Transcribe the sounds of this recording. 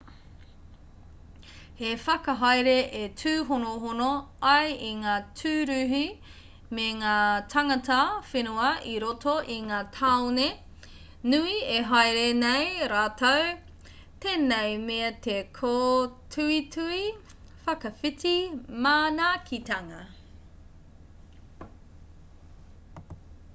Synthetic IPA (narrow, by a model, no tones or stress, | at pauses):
hefɐkɐɦajɾeʔetʰʉːɦonoɦonoɐjiŋaːtʰʉːɾʉːɦi | meŋaːtʰɐŋɐtɐfenuɐʔiɾotʰoʔiŋaːtʰaone | nuieɦajɾenejɾaːtʰow | t̪eːnejmeɐt̪ekʰotʰʉitʰui | fɐkɐfitimaːnakʰitɐŋɐ